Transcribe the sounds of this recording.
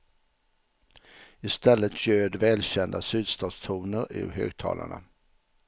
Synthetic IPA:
ɪst̪ɛlːət̪ɕøːd̪vɛːlɕɛnd̪asʉ̟ːd̪st̪ɑːd̪st̪ʰuːnəɾʉ̰ɦø̰ːɡ̚t̪ʰɑ̰ːlʔaɳa̰

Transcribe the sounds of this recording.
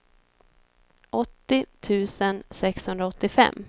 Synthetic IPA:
ʔɔt̪ːɪt̪ʰʉ̟ːsənsɛkshɵnd̪ɾaɔt̪ːɪfɛ̰mː

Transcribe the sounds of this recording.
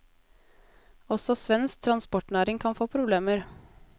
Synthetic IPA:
ɔsɔsʋɛnsk̚t̪ʰɾɑnspɔʈɳæːɾɪŋkʰɑnfoːpʰɾʊbleːməɾ

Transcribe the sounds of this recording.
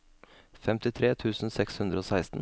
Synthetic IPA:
fɛmt̪ɪt̪ʰɾeːt̪ʰʉːsn̩sɛkshʉnd̪ɾəoːsæɪst̪n̩

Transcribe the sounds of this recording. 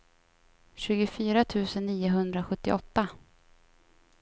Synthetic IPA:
ɕʉ̟ːɡʊfyːɾat̪ʰʉ̟ːsənːiːʊɦɵnd̪ɾaɧɵt̪ːɪ̰ʔɔt̪ːa

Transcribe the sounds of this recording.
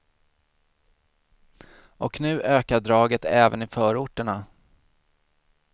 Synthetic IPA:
ʔɔknʉ̟ːʔøːkaɖɾɑːɡət̪ʰɛːvə̰nɪfœːɾʊʈːəɳa

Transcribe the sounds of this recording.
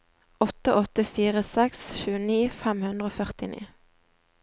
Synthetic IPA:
ɔt̪əʔɔt̪əfiːʁəsɛksʃʉːəniːfæmhʉnd̪ʁəoːfœʁt̪ɪnḭː

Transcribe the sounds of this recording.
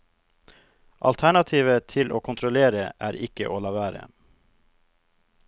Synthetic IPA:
ʔɑ̰lt̪ʰæɳɑt̪ʰiːʋət̪ʰɪlʔoːkʰʊnt̪ʰɾɔleːɾəʔæːɾɪkə̰ʔoːlɑːʋæːɾə̰

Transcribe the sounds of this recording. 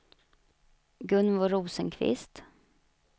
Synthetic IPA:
ɡɵnvɔɾuːsənkʰvɪ̰st̪

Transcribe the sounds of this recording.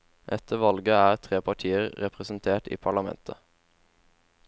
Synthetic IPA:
ʔɛt̪ʰəʋɑlɡəæːʁt̪ʰʁeːpʰɑʈʰiːəʁʁɛpʁəsn̩t̪ʰeːʈḭːpʰɑɭɑmɛ̰nt̪ʰə

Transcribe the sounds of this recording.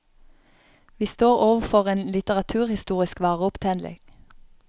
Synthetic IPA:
ʋiːst̪oːʁoːʋəfɔʁeːnlɪt̪əʁɑt̪ʰʉːʁhɪst̪uːʁɪskʋɑːʁəʊpt̪ʰɛnlɪ̰ŋ̥

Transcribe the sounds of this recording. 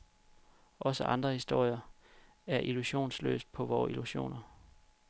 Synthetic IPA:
ʔɒ̽səʔɑ̈nd̥ʁɐhisd̥o̝ɐ̰jɐ | æɐʔiluɕo̝̰ːnslø̰ːsd̥̚pʰɒ̽ʋɒːiluɕo̝̰ːnɐ

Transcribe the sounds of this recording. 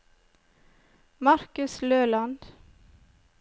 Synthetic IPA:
mɑɾkʉsløːlɑnd̪̥

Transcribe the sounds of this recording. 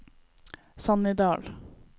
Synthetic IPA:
sɑnɪd̪ɑːl

